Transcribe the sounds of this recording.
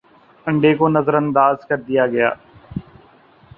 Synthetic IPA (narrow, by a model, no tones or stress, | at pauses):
ɐ̃ɳɖekonɐzəɾə̃nd̪aːzkɐɾd̪ijaɡɐja̰ː